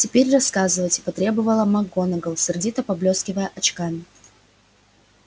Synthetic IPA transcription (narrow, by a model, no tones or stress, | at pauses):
tʲɪpʲeɾʲrɐskazɨvətʲɪ̥pɐt̪ɾʲe̞bɨvəlˠəmɐɡonəɡəlˠsʲɪrdʲit̪əpɐblʲoskʲɪvəjəʔɐt͡ɕkamʲɪ